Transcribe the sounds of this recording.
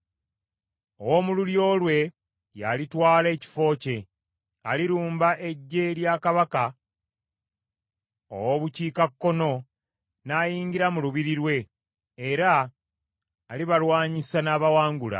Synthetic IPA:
owomululjo̞ːlwe̞ | ja̰litwaːle̞ːci̥fo̞ːce̞ | a̰liɾuːmbaʔe̞ɟːe̞ljaːkaβaka | o̰woβuciːkakːo̞no̞ | naːjiːɲɟiɾamuluβiɾiɾwe̞ː | ɾa | liβalwaːɲisanaːβawaːŋɡula̰

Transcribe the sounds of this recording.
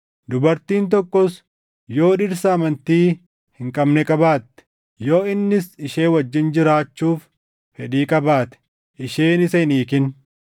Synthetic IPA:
d̪ʊbɐɾt̪iːnt̪̬ɔkːɔs | jo̞ːᶑɪɾsɐːmɐnt̪iː | hɪŋkʼɐbnɛkʼɐbaːt̪ːɛ̥ | jo̞ːɪnːɪsɪʃe̞ːwɐd͡ʒːɪnd͡ʒɪɾaːt͡ʃːuːf | fɛᶑiːkʼɐbaːt̪ɛ̥ | ʔɪʃeːnɪsɛɪniːkɪn

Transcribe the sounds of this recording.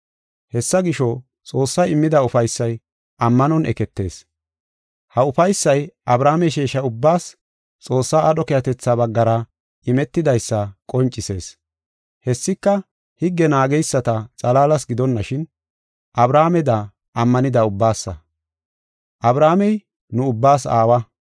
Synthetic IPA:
hɛsːɐɡɪʃɔ | t͡sʼo̞ːsːɐjɪmːɪd̪ɐʊfɐjsːɐj | ʔɐmːɐnɔnʔɛ̰kɛt̪ːe̞̰ːs | hɐʊfɐjsːɐjɐbɾaːmɛʃeːʃɐʊbːaːs | t͡sʼo̞ːsːaːʔɐɗɔkɛjɐt̪ɛt͡sːaβɐɡːɐɾɐ | ʔɪmɛt̪ːɪd̪ɐjsːɐkʼɔnt͡ʃʼːɪse̞̰ːs | hɛsːɪkːɐ | hɪɡːɛnaːɡɛjsːɐt̪ɐt͡sʼɐlaːlɐsɡɪd̪ɔnːɐʃɪn | ʔɐbɾaːmɛd̪ɐ | ʔɐmːɐnɪd̪ɐʊbːaːsːɐ̰ | ʔɐbɾaːmɛj | nʊʊbːaːsaːwɐ

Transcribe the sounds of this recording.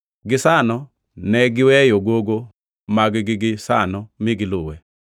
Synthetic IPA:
ɡɪsanɔ | nɛɡɪwɛjoɡoɡo | maɡɪɡɪɡɪsa̰nɔmɪɡɪlʊwɛ

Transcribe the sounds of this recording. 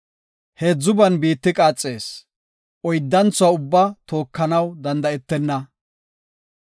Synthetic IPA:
heːd͡zːʊbɐnbiːt̪ːɪkʼaːt͡sʼːe̞ːs | ʔɔjd̪ːɐnt͡sʊwɐʊbːɐt̪o̞ːkːɐnɐwd̪ɐnd̪ɐɛt̪ːɛnːɐ

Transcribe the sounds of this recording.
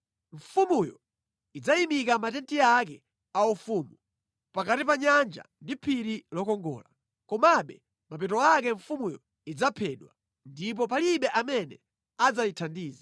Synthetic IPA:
ɱ̩fumujɔ̰ | id͡zaimikamatɛntiakɛ | aufuːmu | pakatipaɲand͡ʒa̰ndipʰiɾilɔkɔŋɡɔ̰ːla | kɔmaɓɛ | mapɛtɔakɛɱfumujɔ | id͡zapʰɛɗwa | ndip̬ɔp̬aliɓɛʔamɛnɛ | ad͡zajitʰandiːza

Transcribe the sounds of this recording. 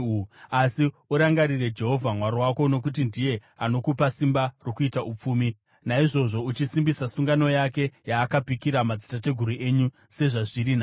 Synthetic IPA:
asi | uɾaŋɡaɾire̞d͡ʒe̞ɦo̞vʱamwaɾwako̞no̞kut̬indije̞ano̞kupasimbarokuitaʔup͡fuːmi | naiʐo̞ʐo̞ut͡ʃisimbisasuŋɡano̞jake̞jaːkapikiɾamad͡zitate̞ɡʱuɾuʔe̞ɲu | se̞ʐaʐiɾina

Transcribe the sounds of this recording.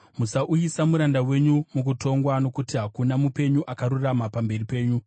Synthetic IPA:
musaʔujisamuɾandawe̞ɲumuk̬uto̞ŋɡwano̞kutiɦakunamupe̞ɲuʔakaɾuramapambe̞ripe̞ːɲu

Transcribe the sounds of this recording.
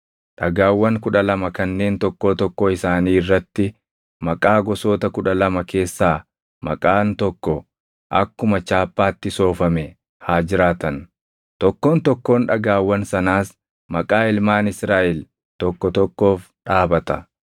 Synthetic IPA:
ᶑɐɡaːwːɐŋkʊᶑɐlɐmɐkɐnːe̞ːnt̪ɔkːoːt̪ɔkːoɪsaːniːrːɐt̪ːɪ | mɐkʼaːɡɔso̞ːt̪ɐkʊᶑɐlɐmɐke̞ːsːaː | mɐ̰kʼaːnt̪ɔkːɔ | ʔɐkːʊmɐt͡ʃaːpːaːt̪ːɪso̞ːfɐmɛ | haːd͡ʒɪɾaːt̪ɐn | t̪ɔkːoːnt̪ɔkːo̞ːnᶑɐɡaːwːɐnsɐnaːs | mɐkʼaːɪlmaːnɪsɾaːʔɛl | t̪ɔkːɔt̪ɔkːo̞ːf | ᶑaːbɐt̪ɐ

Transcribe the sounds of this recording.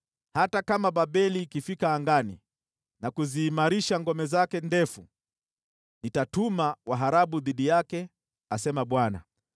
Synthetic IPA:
hatakamaɓaɓɛlikifikaːŋɡanḭ | nakuziːmaɾiʃaŋɡɔmɛzakɛndɛfu | nitatumawaɦaɾaɓuðiɗijakɛ | asɛmaɓwana̰

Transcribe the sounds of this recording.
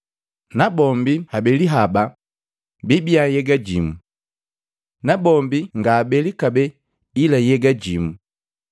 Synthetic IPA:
nabɔmbihabɛliɦaba | bibiajɛɡaɟimu | nabɔmbiŋɡaːbɛlikabɛ | ilajɛɡaɟimu

